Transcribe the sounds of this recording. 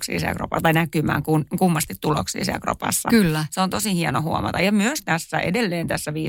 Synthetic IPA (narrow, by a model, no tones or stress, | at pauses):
ksḭːsiæ̰kro̰pɑ̰st̪ɑinækymæ̰ːŋkunkumːɑst̪it̪t̪ːulo̰ksḭːsḭæ̰lkro̰pɑ̰sːɑ̰kylːæseont̪osihiɛnohuo̰mɑ̰t̪ɑjɑmyøst̪æsːæʔḛdelːeːnt̪æsːæʋiː